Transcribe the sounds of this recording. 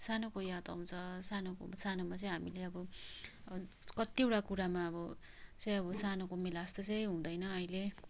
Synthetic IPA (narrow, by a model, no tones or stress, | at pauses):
sanokojat̪ʌ̰ɦũt͡sʰʌsanoko̰sanomat͡sʌ̃j̃ɦamileʌbʌ | kʌt̪jewʈakuɾamaʌbʌ | t͡sʌj̃ʌbʌsanokomilast̪ʌt͡sʌj̃ɦũd̪ʌjnʌʌjle